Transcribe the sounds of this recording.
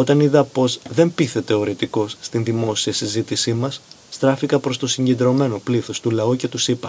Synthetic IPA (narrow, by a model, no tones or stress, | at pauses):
o̞t̪ɐniðɐpo̞zðe̞mpiθe̞t̪e̞oɾet̪iko̞sːt̪inðimo̞siɐsizit̪isimɐsː | t̪ɾɐfikɐpɾo̞st̪o̞siɲɟe̞nd̪ɾo̞me̞no̞pliθost̪ulɐuce̞t̪usipɐ